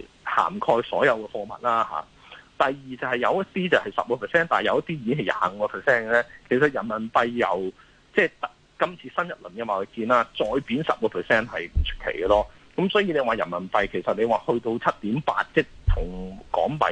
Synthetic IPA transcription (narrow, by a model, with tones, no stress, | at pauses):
ha̰ː˨˩mkʰɔː˧jsɔː˨˥jɐ˨˧wkɛː˧fɔː˧mɐ̰˨t̚laː˥ha̰ː˨˦ | t̪ɐ˨jjiː˨t͡sɐ˨˧whɐ˨jɐ˨˧wjɐ˥t̚t̪iː˥t͡sɐ˨˩hɐ˨jsɐ̰˨p̚kɔː˧pʰɛː˨˩sɛː˥˩nt̪aː˨jɐ˨˧wjɐ˥t̪iː˥jiː˨˥nhɐ˨˩ja̰ː˨˩ŋ̩˨˧kɔː˧pʰɛ˨˩sɛː˥nlɛː˥kʰe˨˩s̬ɐ˨t̚jɐ˨˩nmɐ˨˩npɐ˧jːɐ̰˨˩w | t͡sɛː˥˧˩t̪ɐ˥ | kɐ˥mt͡sʰiː˧sɐ˥njɐ˨˩t̚lɵ˨˩nkɐ˧waː˨˩ko˨˧jkiː˧naː˥t͡sɔː˧jpiː˨˥nsɐ̰˨p̚ɔː˧pʰɛ˨sɛː˥˩nhɐ˨jm̩˨˩t͡ʃʰɵ̥˥kʰḛ˨˩jɡɐ˧lɔː˥ | kɐ˨˥msɔː˨˥jiː˧ne˨˧jwaː˨jɐ̰˨˩nmɐ˨˩npɐ˧jkʰe˨˩jsɐ˨t̚ne˨˧waː˨˩hɵ˧ɥt̪o˧wt͡sʰɐ˥t̚t̪iː˨˥mpa̰ː˧t̚t͡sɛː˥˩t̪ʰʊ˨˩ŋkɔ̰ː˨˥ŋpɐ̰˨˧˥